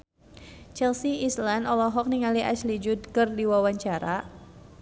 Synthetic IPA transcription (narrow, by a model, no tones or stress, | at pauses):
t͡ʃɛlsiislanɔlɔɦɔk̚niŋaliʔa̰slid͡ʒud̚kɨrdiwawaɲt͡ʃaɾa